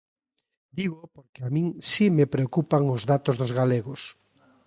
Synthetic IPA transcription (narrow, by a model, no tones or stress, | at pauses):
d̪iɣopoɾkeamĩŋsimepɾeokupaŋozðat̪ozðʊzɣaleɣos